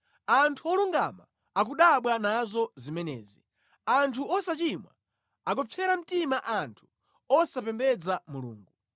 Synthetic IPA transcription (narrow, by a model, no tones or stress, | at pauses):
antʰuɔluŋɡa̰ma̰ | ak̬uɗaɓwanazɔzimɛnɛ̰ːzi | antʰuɔsat͡ʃimwa̰ | ak̬ɔpʰjɛɾam̩timaʔantʰu̥ | ɔsapɛmbɛd͡zamulṵːŋɡu